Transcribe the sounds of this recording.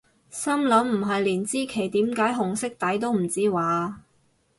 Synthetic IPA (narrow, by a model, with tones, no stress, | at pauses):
sɐ˥mlɐ˨˥mm̩˨˩ɦɐ˨jliː˨˩nt͡siː˥kʰe˨˩jt̪iː˨˥mkaː˨˧˥jɦʊ˨˩ŋsɪ˥k̚t̪ɐ˨˥jt̪o˥wm̩˨˩t͡siː˥waː˨˥